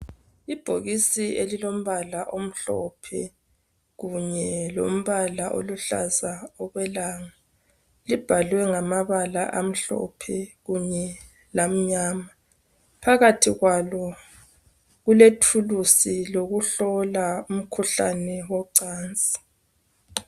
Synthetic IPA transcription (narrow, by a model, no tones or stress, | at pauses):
ib̥ʱoɣisielilom̩βalaʔom̩ɬɔ̰pʰɛ | ɣuɲɛlo̰m̩βalaʔo̰luɬa̰zaɔɣwɛlaːŋa | lib̥ʱalwɛŋamaβala̰ʔam̩ɬɔ̰pʰɛɣuɲɛ | lam̩ɲaːma | pʰaɣatʰiɣwalɔ | ɣuletʰulusiloɣuɬɔlaum̩kʰuɬa̰nɛwɔǀaːnt͡sʼi̥